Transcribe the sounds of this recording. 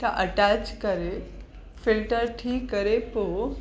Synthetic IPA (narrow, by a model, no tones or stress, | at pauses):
t̪aʔəʈat͡ʃt͡ɕkəɾe | filʈəɾʈʰiːkːəɾepo